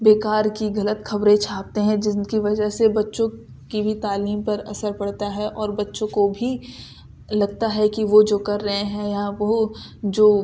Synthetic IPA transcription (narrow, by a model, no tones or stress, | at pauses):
beːkaːɾkiɡɐlət̪xɐbɾẽt͡ʃʰaːp̚t̪eɦɛ̃d͡ʒɪnkiʋɐd͡ʒəɦsebɐtːʃõ | kibʱit̪aːliːmpɐɾɐsəɾpɐɽt̪aɦɛʔɔːɾbɐtːʃõkobʱi | lɐɡt̪aɦɛkiʋod͡ʒoːkɐɾːɐɦẽɦɛ̃jaʋo | d͡ʒoː